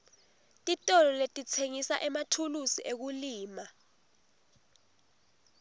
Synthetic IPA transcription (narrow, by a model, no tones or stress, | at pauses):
tʼitʼɔlɔletʼit͡sʰeŋisa̰ʔɛmatʰulusiʔek̬uliːma